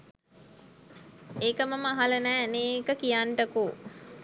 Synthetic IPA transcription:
eːkəməməaɦalənæːneːkəkijaɳʈəku

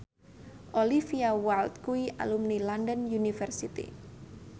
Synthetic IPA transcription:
ʔolifiawalt̪̚kuiʔa̰lumnilandənjunifɛrsit̪ḭ

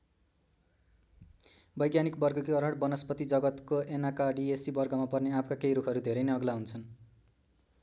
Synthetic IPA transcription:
bʌjɡjanikbʌrɡʌkiʌɾʌɽbʌnʌspʌt̪id͡zʌɡʌt̪koenakaɖiesibʌrɡʌmapʌrneapʰkakejɾukʰʌɾud̪ʱeɾʌjnʌɡlaɦunt͡sʰʌn

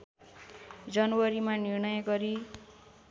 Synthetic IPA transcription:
d͡zʌnʌwʌɾimanirɳʌjʌɡʌɾi

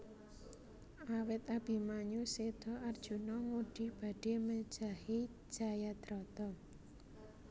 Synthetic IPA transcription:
ʔawɪt̪̚ab̥i̤maɲused̪̥ɔʔard̥ʒ̥ṳnɔŋuɖ̥i̤b̥a̤ɖ̥e̤məd̥d͡ʒ̥a̤hi̥ | ʒ̥a̤jad̪̥ɾɔt̪ɔ

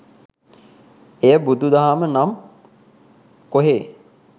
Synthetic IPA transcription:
ejəbud̪ud̪aɦamənam | koɦeː

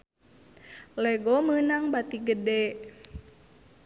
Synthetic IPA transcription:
lɛɡɔmənaŋbat̪iɡədɛ

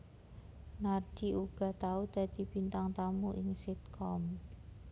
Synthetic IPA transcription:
nard͡ʒiuɡ̥a̤t̪aud̪̥a̤d̪̥i̤bint̪aŋt̪amuʔɪŋsit̪̚kʰɔm

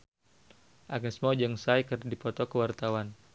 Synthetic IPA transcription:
ʔaɡismɔd͡ʒəŋsajkərdipɔt̪ɔkəwart̪awan

